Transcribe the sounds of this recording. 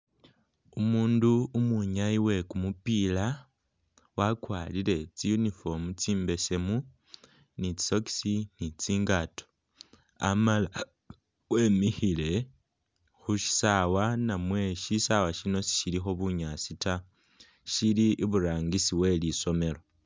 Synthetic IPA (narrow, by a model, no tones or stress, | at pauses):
umuːnduːmuɲaiwe̞kumupila | wakwalile̞t͡sijunifo̞mut͡siːmbe̞se̞mu | nit͡si̥so̞ki̥sinit͡siːŋɡato̥ | a̰mala | weːmixile̞ | xuʃi̥sawanamwe̞ʃisawaʃino̞si̥ʃilixo̞βuɲasita | ʃiliʔːβuɾaːŋɡisiwe̞liso̞me̞lo̞